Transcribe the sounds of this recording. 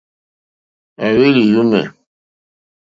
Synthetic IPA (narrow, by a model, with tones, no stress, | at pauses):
a˨we˦li˨ju˦mɛ̰˨